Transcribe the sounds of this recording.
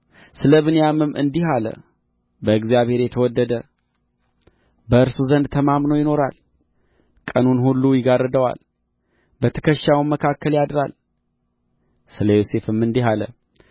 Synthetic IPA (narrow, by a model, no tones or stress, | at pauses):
sɨləβɨnjamɨmʔɨ̰nd̪iɦalə̰ | bəɨɡzijaβhe̞ɾjɛt̪ʰəwɔd̪ːəd̪ə | bəɨɾsuzənd̪t̪ʰəmamnəwjɪno̞ɾa̰l | kʼənunhulːujɪɡarəd̪əwa̰l | bət̪ʰə̥kʰəʃːawmːəkʰakʰːəljad̪ɾa̰l | sɨləjose̞fɨmːɨnd̪iɦalə̰